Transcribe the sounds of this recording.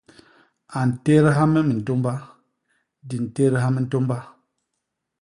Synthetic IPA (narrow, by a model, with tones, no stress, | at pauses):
a˨n̩˨te˦ɾə˦ɦa˦mə˦mi˨n̩˨to˦mba˦ | di˨n˨te˦ɾə˦ɦa˦mə˦n̩˦to˦mba˦